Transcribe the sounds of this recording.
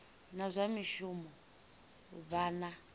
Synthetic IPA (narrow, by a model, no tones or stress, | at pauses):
nazʷamiʃumɔ | baːna